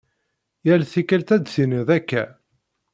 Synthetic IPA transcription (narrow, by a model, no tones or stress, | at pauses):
jælθikælt̪æd̪θinəðækːæ̰